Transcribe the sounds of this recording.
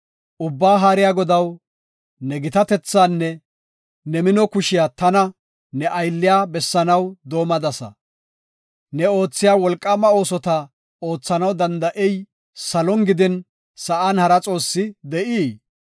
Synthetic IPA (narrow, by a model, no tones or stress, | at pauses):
ʔʊbːaːɦaːɾɪjaːɡɔd̪ɐw | nɛɡɪt̪ɐt̪ɛt͡sːaːnːɛ | nɛmɪnɔkʊʃɪjaːt̪ɐnɐ | nɛʔɐjlːɪjaːbɛsːɐnɐwd̪o̞ːmɐd̪ɐsɐ̰ | nɛo̞ːt͡sːɪjaːwɔlkʼːɐmːɐo̞ːsɔt̪ɐ | o̞ːt͡sːɐnɐwd̪ɐnd̪ɐʔɛj | sɐlɔŋɡɪd̪ɪn | sɐʔaːnhɐɾɐt͡sʼo̞ːsːɪd̪ɛʔiː